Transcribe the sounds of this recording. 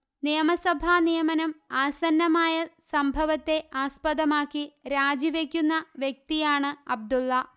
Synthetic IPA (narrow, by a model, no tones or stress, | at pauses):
nijɐmɐsɐbʱaːnijɐmɐnɐmaːsɐnːɐmaːjɐsɐmbʱɐʋɐt̪ːe̞aːspɐðɐmaːkːiɾaːd͡ʑiʋekʲːunːɐʋjek̚t̪ijaːɳɨɐb̚d̪ulːɐ